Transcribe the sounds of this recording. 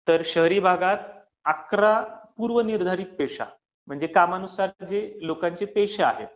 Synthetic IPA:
t̪əɾɕəɦɾiːbʱaɡat̪ | akɾapuːɾʋəniɾd̪ʱaɾiːt̪̚peʂa̰ | m̤əɳd͡zekamanusaɾd͡zelokãɲt͡sepeɕea̰ɦḛt̪

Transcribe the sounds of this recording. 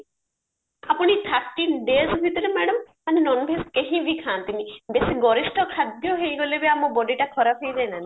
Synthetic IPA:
apuɽ̃it̪ʰaɾʈinɖezbʱit̪ɔɾemɛɽəm | anenɔnbʱeskeɦĩbʱikʰãːnt̪imibesiɡɔɾisʈɔkʰad̪jɔɦejɡolebiamũbɔɖiʈakʰɔɾapʰejd͡ʒajnani

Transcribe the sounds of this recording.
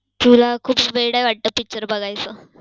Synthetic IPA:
t̪ʰulakʰuːpʋeɽajʋaɽʈ̪əpik̚t͡ɕəɾbəɡajt͡sə

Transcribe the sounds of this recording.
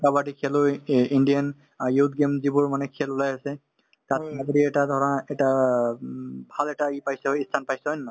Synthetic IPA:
kabadikʰɛlojindijan | ajut̚ɡemzibʊɹmanɛkʰɛlʊlajasɛ | tataɡɔɾiɛtadʱɔɹaɛta | bʱalɛtaipajsɛɦojistʰanpajsɛɦɔjnma

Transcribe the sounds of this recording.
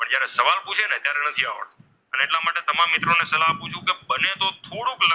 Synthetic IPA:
pəɳd͡ʒjaɾesəʋalput͡ʃʰenet̪jaɾenət̪ʰia̰ʋə̰ɭt̪ | əneeʈlamaʈet̪əmãmːɪt̪ɾonesəlaɦput͡ʃʰũkebənet̪ot̪ʰoɽõklə

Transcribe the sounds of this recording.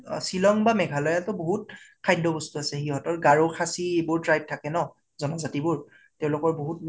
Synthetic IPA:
silɔŋbamɛɡʱalɔjatʊboɦut̚kʰajdʱɔbɔstuasɛxiɦɔtɔɹɡaɹokʰasibʊɹtɹajb̚tʰakɛnɔ | zɔnazatibʊɹ | teʊ̃lʊkɔɹboɦut̚

